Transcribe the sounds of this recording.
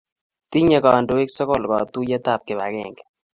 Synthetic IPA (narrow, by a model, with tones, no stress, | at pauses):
t̪i˦ɲɛ˦˨kɔ˨a˨ndo˨˦e˦ksɔ˦kɔ˦˨lkɔ˨t̪u˦jɛ˦t̪a˦˨p̚kɪ˨ba̰˨ɡɛ̰˨ŋɡɛ˨